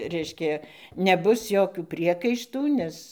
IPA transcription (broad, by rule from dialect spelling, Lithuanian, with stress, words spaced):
ˈrʲɛɪʃʲkʲɛ nʲɛˈbʊs ˈjoːkʲuː ˈpʲrʲiɛkɐɪʃtuː ˈnʲɛs